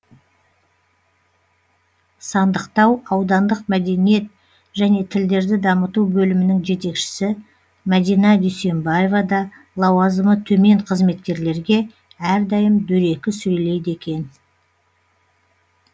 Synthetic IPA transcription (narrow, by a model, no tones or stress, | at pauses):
sɑnd̪əqt̪ɑwɑwd̪ɑnd̪əqmæd̪e̞nije̞t̪̚ | ʒæne̞t̪ʰɪld̪e̞ɾd̪ɪd̪ɑmət̪ubɵlɪmɪnɪŋʒe̞t̪e̞kʃɪ̥sɪ | mæd̪ijnɑd̪ʏjse̞mbaje̞vɑd̪ɑ | lˠɑwɑzəmət̪ʰɵme̞ɴqʰəzme̞t̪kʲe̞ɾle̞ɾɡʲe̞ | æɾd̪ɑjəmd̪ɵɾe̞kʲɪsɵjle̞jd̪e̞kʲe̞n